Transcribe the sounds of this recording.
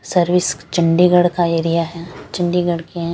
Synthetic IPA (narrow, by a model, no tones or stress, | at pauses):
sɐɾʋɪst͡ʃɐ̃ɳɖiɡəɽkaeːɾijaɦɛt͡ʃɪ̃ɳɖiɡəɽkeɦɛ̃